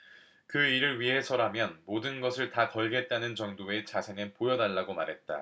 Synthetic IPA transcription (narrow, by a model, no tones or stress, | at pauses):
kɯiɾɯɭɥiɦe̞sʰʌɾamjʌnmodɯnɡʌsʰɯɭtakʌɭɡe̞t̚t͈anɯnt͡ɕʌŋdoe̞t͡ɕasʰe̞ŋɯnpojʌnaɭːaɡomaɾɦe̞t̚t͈a̰